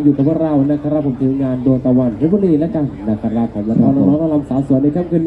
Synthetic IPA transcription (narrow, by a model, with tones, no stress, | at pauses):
juː˨˩ka˨˩pʰɯ˧˩ɾa˧˩wna˧˩kʰːa˧ɾa˦˥pʰo˨˦mt̪ʰɯː˨˦ŋaː˧ndoː˧jt̪aː˧wa˧˩nt̪ʰe˦˥bo˧˨liː˧˩lɛ˦˥t͡ɕa˧˩n˧na˧˩kʰːa˧ɾa˦˧˥pʰːa˨˩˦mwi˧˩t̪ɾɔː˦˥˦na˧˩lɔː˦˥nla˧˥la˧msaː˨˦su˨˩˦ənːa˧jkʰa˥˨mkʰɯ˧n